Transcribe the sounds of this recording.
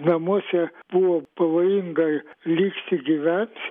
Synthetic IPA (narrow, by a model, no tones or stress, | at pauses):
nɐmuɔsʲɛb̥uʋoːpɐʋoːjɪŋɡɐlʲiːksʲt̪ʲɪɡʲiʋʲænʲt̪